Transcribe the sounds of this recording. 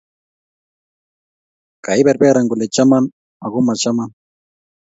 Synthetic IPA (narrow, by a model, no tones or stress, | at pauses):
kajbeɾbeɾaŋɡʊlet͡ʃaman | aɣʊmat͡ʃaman